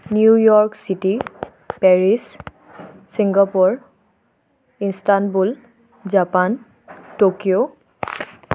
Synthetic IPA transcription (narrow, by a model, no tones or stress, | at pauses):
njujɔɹksiti | pɛɹis | siŋɡapɔɹ | instanbul | zapan | tokio